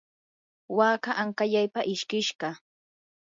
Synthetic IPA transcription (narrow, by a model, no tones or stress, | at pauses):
waːkaʔaŋkaʎajpaʔɪʃkɪʃɢɑ